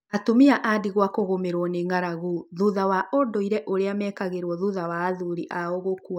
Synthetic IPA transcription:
atomiaʔadiɣwakoɣomeɾwɔneŋaɾaɣuðuðawaʔodɔiɾɛʔoɾeamɛkaɣeɾwɔðuðawaːðuɾiʔaoɣokua

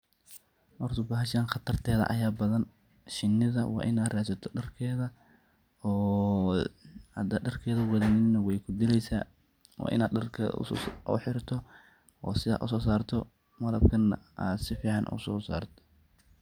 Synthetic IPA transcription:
ʔɔrt̪ʊbɐɦɐʃaːnχɑt̪ʰɐrt̪ʰɛːðɐ̰ʔɐ̰jaːbɐðɐn | ʃɪnːɪðɐ̰wɑ̰ːʔɪnaːd̪raːsɐt̪ʰɔ̥ɖɐrkʰɛːðɐ | ɔː | hɐd̪ɐɖɐrkʰɛːðɐwɐðɛːnɪnɐwɛjkʰʊd̪ɪlɛjsa̰ː | wɑ̰ːʔɪ̰naːd̪ɖɐrkʰɛ̰ʔʊ̰ħɪɾt̪ʰɔ | ɔ̰ːsɪða̰ːʔʊ̰sɔːsaːrt̪ʰɔ | mɐlɐb̚kʰɐnːɐa̰ːd̪sɪfiːʕɑnʔʊ̰sɔːsa̰ːrt̪ʰɔ̥

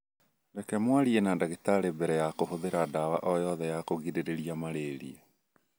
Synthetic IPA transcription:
dɛkɛmwaɾienadaɣitaɾebɛɾɛjakohoðeɾadawa̰ʔɔjɔðɛjakoɣideɾeɾiamaɾeɾḭɛ

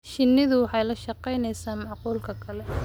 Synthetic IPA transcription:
ʃɪnːɪðʊwɑħɑjlɐʃɑqɛjnɛjsaːmɑʕquːlkʰɐkʰɐlɛ

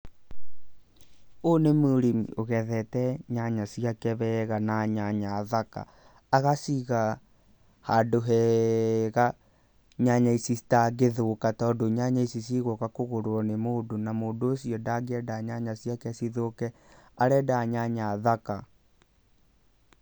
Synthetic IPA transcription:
onemuɾimioɣɛðɛtɛɲaɲasiakɛβɛɣanaɲaɲaðaka̰ː | ɣasiɣa | hadoɦɛ | ɣa | ɲaɲaisisi̥taɡeðokatɔːndoɲaɲaisis̬iɣokakoɣoɾoɔnemoːdonamoːndoːsiɔdaɡeɛdaɲaɲasiakɛsiðokɛ | aɾɛdaɲaɲaðaka

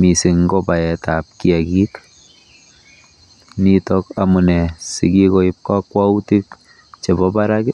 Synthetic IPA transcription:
misiŋɡɔpajɛtap̚kiakik | nitɔkamunɛsikikɔip̚kakwautik | t͡ʃebɔbaɾakɪ

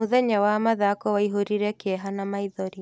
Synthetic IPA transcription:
uðɛɲawamaðakɔwaiɦoɾiɾɛkeɛɦanamaiðɔɾi

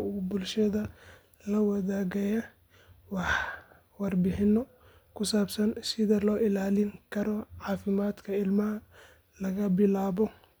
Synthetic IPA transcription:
ʊʊbʊlʃɐðɐ | lɐwɐðaːɣɛjɐ | wɑħ | wɑrbɪħɪnɔ | kʰʊsaːbsɐnsɪðɐlɔːʔɪlaːlɪŋkʰɐɾɔʕɑːfɪmaːd̪kʰɐɪlmɐɦɐ | lɐɣɐbɪlaːβɔ

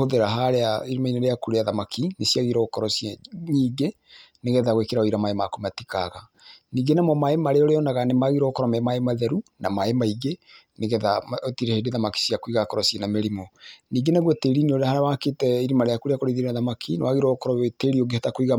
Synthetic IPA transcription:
oðeɾaɦaɾeaiɾimaineɾeakuɾeaðamakʰinesiaɣiɾɔkɔɾɔsjɛɲiːɡe | neɣɛðaɣwekeɾaoiɾamaemakomatikaɣa | niːɡenamɔmaemaɾeɔɾeɔnaɣanemaɣiɾɔkɔɾɔmɛmaemaðɛɾunʔamaemaiɡe | neɣɛðatiɾɛhedeðamaki̥siakoiɣakɔɾɔsiɛnameɾimɔniːɡenaɣwɛteɾineoɾhaɾawaketɛiɾimaɾeakuɾeakoɾeðiɾenaðamakʰinḛwaɣiɾɔkɔɾɔeteɾioɡehatakoiɣa

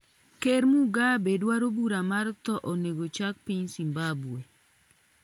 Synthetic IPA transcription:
keɾmuɡabedwaɾobuɾamaɾt̪ɔʔoneɡot͡ʃak̚piɲsimbabwe

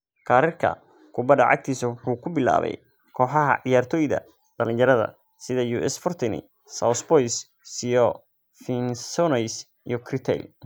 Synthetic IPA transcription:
kʰaːɾɪrkʰɐ̰ | kʰʊbɐd̪ɐʕɑ̰k̚t̪ʰiːsɐwʊħuːkʰʊbɪla̰ːβɛ̰j | kʰɔːħɑɦɐ̰ʕɪjaːrt̪ʰɔːjðɐ̰ | d̪̥ɐlɪnjɐɾɐðɐ̰ | sɪðɐjuːʔɛsfɔrt̪ʰɪnɪ̰ | sawsbɔjs | sijɔ | fɪnsɔnɛs | ijɔkʰrɪt̪ʰɛ̰l

